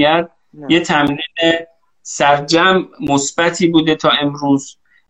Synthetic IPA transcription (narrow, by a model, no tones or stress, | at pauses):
æɾd̪̚ | jet̪ʰæmliːne | sæɾd͡ʒæmːosb̥æt̪ʰiːbuːd̪et̪ʰɒːe̞mɾuːz̥